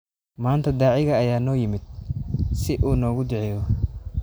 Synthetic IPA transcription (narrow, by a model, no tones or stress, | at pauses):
maːnt̪ʰɐd̪aːʕɪɣɐːjaːnɔːjɪmɪd̪̚sɪʔuːnɔːɣʊd̪ɛʕɛːjɔ